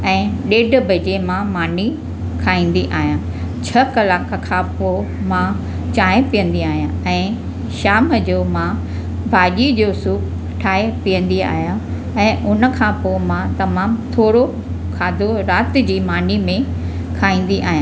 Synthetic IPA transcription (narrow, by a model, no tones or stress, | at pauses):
ɛ̃ːɗeːɖ̆ʱbʱɐd͡ʑemãmaːni | kʰaːĩːn̆d̪iʔaːɦjãː | t͡ɕʰɐkɐlaːkʰkʰãpo | mã | t͡ɕaːẽpijə̃nd̪iaːɦijãɛ̃ː | ʃaːmd͡ʑoːmã | bʱaːʄid͡ʑoːsuːp | ʈʰaːepiːə̃nd̪ia̰ːɦjã | ɛ̃ːʔʊnə̆kʰãpoːmãt̪ɐmaːmt̪ʰoːɽo | kʰaːd̪ʱoɾaːt̪̆d͡ʑiːmaːnimẽ | kʰaːĩːn̆d̪iʔaːɦijã